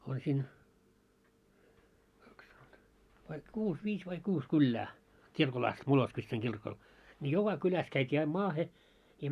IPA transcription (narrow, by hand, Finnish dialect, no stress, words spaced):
on siːn kɑks ʋɑi kuːs ʋiːs ʋɑi kuːs kylːæː kirkol ɑst moloskʋitsɑŋ kirkol nʲi jokɑ kylæs kæitʲiː ɑim mɑːhe jɑ